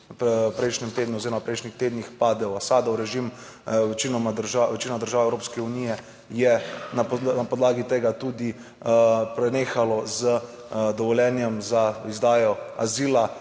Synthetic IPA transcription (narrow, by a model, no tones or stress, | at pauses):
ppɾɛjʃnɛmt̪eːd̪nuozeɾɔmapɾɛjʃnixt̪eːd̪nixpaːd̪ɛwasaːd̪ɔwɾɛʒim | ʋɛt͡ʃinɔmaɾʒaʋɛt͡ʃinɔmad̪əɾʒaːwɛwɾoːpskɛunijɛ | jɛnanapɔd̪laːɡit̪eːɡat̪uːd̪i | pɾɛneːxalɔzə | d̪ɔʋɔljɛnjɛmzaizd̪aːjɔa̰ziːla